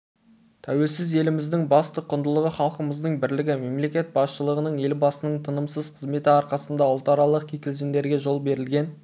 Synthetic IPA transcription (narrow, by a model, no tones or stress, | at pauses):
t̪ʰæwe̞lsɪze̞lɪmɪzd̪ɪŋbɑst̪əqʰʊnd̪əlˠəʁəχɑlˠqəməzd̪əɴbɪɾlɪɡʲɪme̞mle̞kʲe̞t̪̚bɑsʃəlˠəʁənəɴe̞lbɑsənəɴt̪ʰənəmsəz̥qʰəzme̞t̪ɪɑɾqɑsənd̪ɑʊlˠt̪ɑɾɑlˠəq̚kʲʰekʲɪlʒend̪e̞ɾɡʲe̞ʒo̞lˠbe̞ɾɪlɡʲe̞n